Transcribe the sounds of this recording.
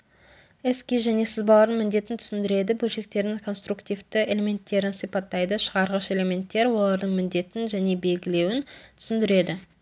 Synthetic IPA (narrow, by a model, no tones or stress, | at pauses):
eskʲiʒæne̞sɪzbɑlˠɑɾəɴmɪnd̪e̞t̪ɪnt̪ʰʏ̥sɪnd̪ɪɾe̞d̪ɪbɵlʃe̞k̚t̪e̞ɾd̪ɪŋkʰo̞nst̪ɾukt̪ijvt̪ɪele̞me̞nt̪ːe̞ɾɪnsijpɑt̪ːɑjd̪əʃəʁɑɾʁəʃe̞le̞me̞nt̪ːe̞ɾwo̞lˠɑɾd̪əɴmɪnd̪e̞t̪ɪnʒæne̞be̞lɡʲɪle̞wɪnt̪ʰʏ̥sɪnd̪ɪɾe̞d̪ɪ